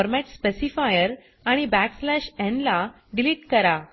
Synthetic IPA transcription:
ɔɾmɛʈspesifajəɾ | aɽ̃ibækslæɕenla | ɖiliʈkəɾa

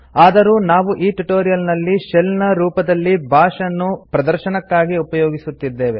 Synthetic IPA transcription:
aːd̪ɐɾuːnaːʋuʔiːʈuʈo̞ːɾijɐlnɐlːiʃɛlnɐɾuːpɐd̪ɐlːibʱaːʂɐnːupɾɐd̪ɐɾʃɐnɐkːaːɡiupɐjoːɡisut̪ːid̪ːe̞ːʋe

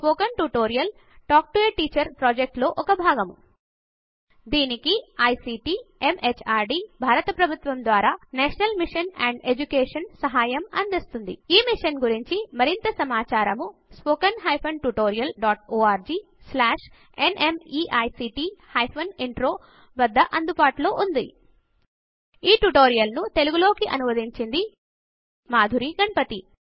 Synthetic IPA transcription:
spoːkɐnʈuʈoːɾijɐl | ʈaːk̚ʈueːʈːiːt͡ʃɐɾpɾoːd͡ʒek̚ʈlo̞ːʔɔkɐbʱaːɡɐmu | d̪iːnikiɐjsiːʈiːemet͡ʃʰaːɾɖiːbʱaːɾɐt̪ɐpɾɐbʱut̪ʋɐmd̪ʋaːɾaːnɛːʂɐnɐlmiʂɐnɛːɳɖed͡ʒukeːʂɐnsɐɦaːjɐmɐnd̪ist̪und̪ḭiːmiʂɐnɡuɾiɲt͡ʃimɐɾint̪ɐsɐmaːt͡ʃaːɾɐmuspoːkɐnɦɐjpʰɐnʈuʈoːɾijɐlɖaːʈoːaːɾd͡ʒiː | slaːʂ | enʔemiːʔɐjsiːʈiːhɐjpʰɐniɳʈɾo̞ː | ʋɐd̪ːɐʔɐnd̪upaːʈlo̞ːʔund̪ḭ | iːʈuʈo̞ːɾijɐlnut̪e̞luɡulo̞ːkiʔɐnumɐd̪iɲt͡ʃind̪i | maːd̪ʱuɾiɡɐɳpɐt̪i

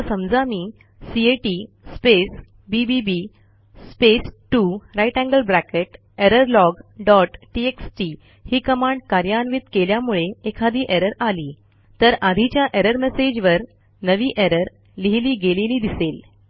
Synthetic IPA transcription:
səmd͡zamiː | sieʈi | spes | bibibi | spesʈuɾajʈæ̃ŋɡəlbɾækeʈ | eɾəɾlɔɡɖɔʈʈieksʈiː | hiːkəmaɳɖkaɾjanʋit̪keljamuɭeekʰad̪ʱiːʔeɾəɾaliː | t̪əɾad̪ʱit͡ɕjaʔeɾəɾmesed͡ʑʋəɾ | nəʋiːʔeɾəɾ | liɦiliːɡeliliːd̪isel

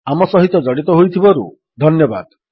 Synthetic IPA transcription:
amɔsɔɦit̪ɔd͡ʒɔɽit̪ɔɦojt̪ʰibɔɾṵ | d̪ʱɔnjɔba̰d̪

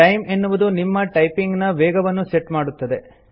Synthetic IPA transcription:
ʈɐjme̞nːuʋud̪unimːɐʈɐjpiŋɡnɐʋɛːɡɐʋɐnːuseʈmaːɽut̪ːɐd̪e̞

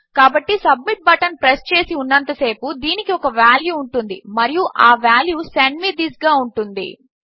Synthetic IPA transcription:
kaːbɐʈːisɐbmiʈ̚bɐʈɐnpɾest͡ʃe̞ːsiunːɐnt̪ɐse̞ːpud̪iːnikiɔkɐʋaːljuːɳʈund̪ḭmɐɾijuʔaːʋaːljuseɳɖmid̪isɡaːuɳʈund̪ḭ

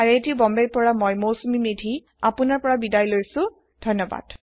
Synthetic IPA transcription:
aɹejtiʊbɔmbejpɔɹamojmowsumimedʱi | apʊnaɹpɔɹabidajlojsʊ̃ | dʱɔnːɔba̰d̥

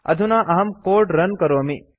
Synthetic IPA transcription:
ɐ̰d̪ʱunaːʔɐɦɐmkoːɾɖɾɐnkɐɾoɐmi

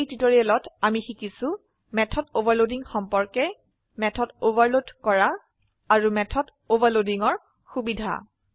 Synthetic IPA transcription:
ejtitoɹiɛlɔtamixikisʊ̃ | mɛtʰɔdobaɹlodiŋxɔmpɔɹkɛ | mɛtʰɔdobaɹlodkɔɹa | aɹumɛtʰɔd | obaɹlodiŋɔɹ | xubidʱa̰

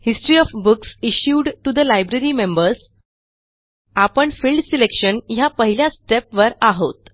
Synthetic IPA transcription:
hisʈɾiɔfbuksiɕjuɖʈud̪əlajbɾeɾimembəɾs | apəɳfilɖsilekɕənjapəɦiljasʈepʋəɾaɦot̪

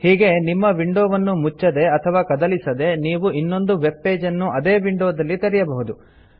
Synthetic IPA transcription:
hiːɡe̞nimːɐʋiɳɖoːʋɐnːumut͡ʃːɐd̪e̞ɐt̪ʰɐʋaːkɐd̪ɐlisɐd̪e̞niːʋuʔinːo̞nd̪uʋe̞bːe̞ːd͡ʒɐnːuʔɐd̪eːʋiɳɖoːd̪ɐlːit̪ɐɾijɐbɐɦud̪u

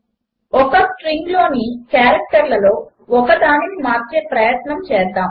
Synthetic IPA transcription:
ɔkɐsʈɾiŋɡlo̞ːnikjaːɾɐk̚ʈɐɾlɐlo̞ː | ɔkɐd̪aːninimaːɾt͡ʃeːpɾɐjɐt̪nɐmt͡ʃɛːɾd̪aːm

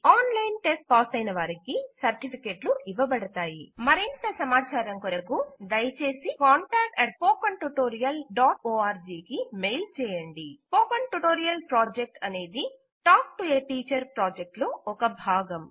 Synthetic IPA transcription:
aːnlɐjnʈesʈ̚paːst̪ɐjnɐʋaːɾikisɐɾʈipʰikeːʈluʔiʋɐbɐɽɐt̪aːjimɐɾint̪ɐsɐmaːt͡ʃaːɾɐŋkɔɾɐkud̪ɐjt͡ʃe̞ːsikaːɳʈaːk̚ʈɛʈ̚poːkɐɳʈuʈoːɾijɐlɖaːʈoːaːɾd͡ʒiːkimejlt͡ʃɛːjɐɳɖipoːkɐɳʈuʈoːɾijɐlpɾaːd͡ʒek̚ʈɐne̞ːd̪i | ʈaːk̚ʈueʈiːt͡ʃɐɾpɾaːd͡ʒek̚ʈloɔkɐbʱaːɡɐm

